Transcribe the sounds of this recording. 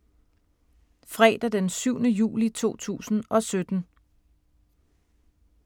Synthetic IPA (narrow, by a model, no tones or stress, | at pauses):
fʁɛ̰ːd̥ɐd̥ensyʊnəjṵːlit͡sʰo̝̰ːt͡sʰṵːsn̩ɒ̽sød̥n̩